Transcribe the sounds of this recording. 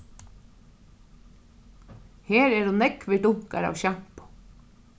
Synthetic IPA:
heːɾɛɾunɛkʋɪt̪ʊŋ̥ka̰ɾa̰ːwɕam̥pʊ̥

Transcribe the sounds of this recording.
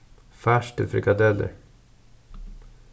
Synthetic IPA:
fæʂʈə̰fɾɪɡɑd̪ɛlə̰ɾ

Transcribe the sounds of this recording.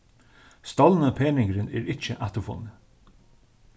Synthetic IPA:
st̪ɔlnəpʰeːnɪŋkɾɪnɛːɾɪt͡ʃəʔat̪ʊfʊ̰nːɪ

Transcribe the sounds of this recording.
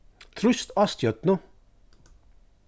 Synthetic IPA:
t̪ʰɾʉst̪ɑst̪jœt̪nə

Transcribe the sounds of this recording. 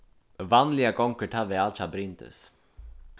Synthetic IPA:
vanlɪaɡɔŋkəʈʰaʋɛalt͡ʃabɾɪnt̪ə̰s

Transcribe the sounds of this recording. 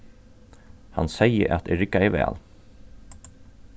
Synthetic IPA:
ha̰nsɛjə̰ɾʔa̰t̪ɛɹɪkːaɛʋɛ̰ːl

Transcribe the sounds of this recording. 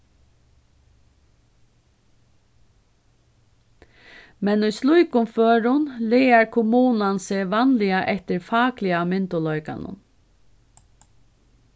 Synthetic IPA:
mɛnujslujkʊmføːɾʊnleːaɹkʰʊmuːnansɛːʋanlɪaʔɛht̪ɪɾfɑːklɪamɪnt̪ʊlɔjka̰nʊ̰n

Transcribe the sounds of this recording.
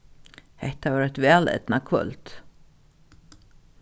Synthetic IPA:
hɛht̪avaːɾɛt̪vɛːlɛ̰t̪nakʰvœ̰lt̪

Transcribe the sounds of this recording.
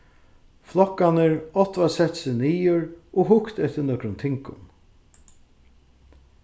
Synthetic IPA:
flɔkːanəɹɔht̪vasɛt̪sɪniːʊɹɔɦʊkt̪ɛt̪ɪnɔkɾʊnt̪ʰɪŋkʊ̰n

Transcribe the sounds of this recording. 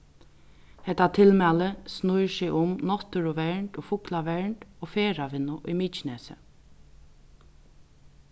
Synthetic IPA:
hɛt̪ːat̪ʰɪlmæːləsnujsɪʔʊmnɔt̪əɾʊʋɛɹɳt̪ɔːfʊklaʋɛɹɳʈ̪oːfeːɾaʋɪnʊʔḭmiːt͡ʃɪnɛːsə̰

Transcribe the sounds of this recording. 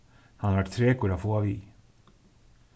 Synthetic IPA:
hɑnɑɾʋæʈt̪ʰɾeːkuɾɑfoːɑʋiː

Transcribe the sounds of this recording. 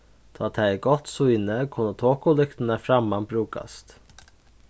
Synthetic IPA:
t̪ʰːt̪ʰæɡɔt̪sujnəkʰʊnːət̪ʰoːkʊlʏkt̪ənəfɾamːanbɾʉːka̰st̪

